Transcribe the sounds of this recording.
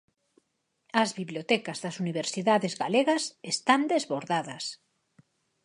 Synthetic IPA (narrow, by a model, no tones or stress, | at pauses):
ɐzβiβljot̪ɛkazðasuniβ̞eɾsiðaðezɣaleɣɐsest̪and̪ezβoɾðaðɐs